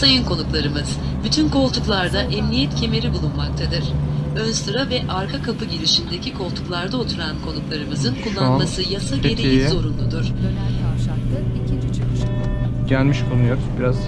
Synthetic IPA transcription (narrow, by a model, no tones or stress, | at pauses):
sajɯnkʰo̞nuklˠaɾɯmɯz̥ | byt̪ʰynko̞lˠt̪ʰuklˠaɾd̪aʔɛmnijɛt̪cʰe̞me̞ɾibulˠunmak̚t̪ʰad̪ɯɾ̥ønsɯɾavɛʔaɾkʰakʰapɯɟiɾiʃind̪e̞cʰikʰo̞lˠt̪ʰu̥klˠaɾd̪ao̞t̪ʰuɾankʰo̞nuklˠaɾɯmɯzɯnkʰulˠːanmasɯjasaɟe̞ɾejizo̞ɾunlˠud̪uɾ̥ønælk̪ʰaʃaklˠɯicʰind͡ʒit͡ʃʰekiʃiɟælʲmiʃkʰonujo̞ɾuzbiɾaz